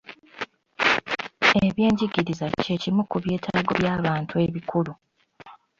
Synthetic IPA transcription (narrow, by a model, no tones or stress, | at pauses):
eβje̞ːɲɟiɡiɾizace̞cimukuβje̞ːtʰa̰ːɡo̞̰βjaːβaːntʰue̞βikʰulu